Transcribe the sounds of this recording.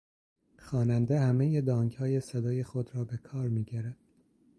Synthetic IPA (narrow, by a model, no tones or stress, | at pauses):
xɒːnænd̪ehæmejed̪ɒːŋɡhɒːjesed̪ɒːje̞xod̪ɾɒːbe̞kʰɒːɾmiːɟæɾæd̪̥̚